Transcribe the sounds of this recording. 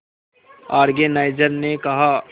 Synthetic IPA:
aːɾɡenaːɪd͡ʒəɾnekɐɦa

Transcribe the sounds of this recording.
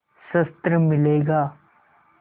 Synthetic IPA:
sɐst̪ɾəmɪleːɡaː

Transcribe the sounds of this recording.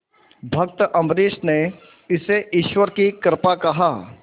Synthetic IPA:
bʱɐk̚t̪əʔɐ̃mɾeːʃne | ɪseʔiʃwəɾkikəɾpakɐɦaː

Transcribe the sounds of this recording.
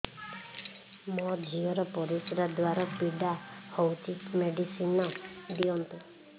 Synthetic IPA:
mɔd͡ʒʱiɔɾɔpɔɾisɔɾad̪waɾɔpiɖahowt͡ʃʰikmeɖisinɔd̪iɔnt̪u

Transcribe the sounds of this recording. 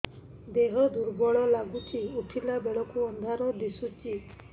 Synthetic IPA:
d̪eɦɔd̪uɾbɔɭɔlaɡut͡ʃʰiuʈʰilabeɭɔkuɔnd̪ʱaɾɔd̪isut͡ʃi

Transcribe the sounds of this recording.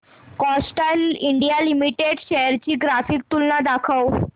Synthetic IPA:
kɔsʈaliɳɖijalimiʈeɖɕɛjəɾt͡ɕiːɡɾafiːk̚t̪ulnad̪akʰəw

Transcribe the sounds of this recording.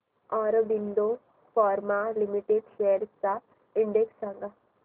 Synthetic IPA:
aɾbind̪o | fɔɾmalimiʈeɖʃeɽt͡sa | iɳɖeksːãŋɡa

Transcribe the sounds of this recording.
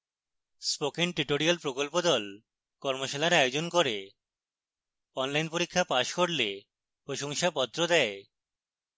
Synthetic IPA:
spokenʈɾiʈoɾialpɾokolpod̪ɔl | kɔɾmoʃalaɾajod͡ʑonkoɾe | ɔnlajnpoɾikʰːapaʃkoɽle | pɾoʃoŋʃapɔt̪ːɾod̪ɛe

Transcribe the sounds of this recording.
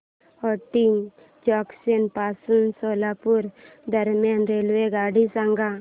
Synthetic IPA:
ɔʈim | d͡ʒɔksenpasunsolapuɾ | d̪əɾmjanɾelʋeɡaːɽisaŋɡa

